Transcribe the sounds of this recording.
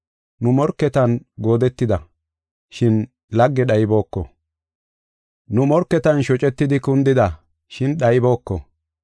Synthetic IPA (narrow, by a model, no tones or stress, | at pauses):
nʊmɔɾkːɛt̪ɐnɡo̞ːd̪ɛt̪ːɪd̪ɐ | ʃɪn | lɐɡːɛɗɐjbo̞ːkːɔ̰ | nʊmɔɾkːɛt̪ɐnʃɔt͡ʃʼɛt̪ːɪd̪ɪkʊnd̪ɪd̪ɐ | ʃɪnɗɐjbo̞ːkːɔ̰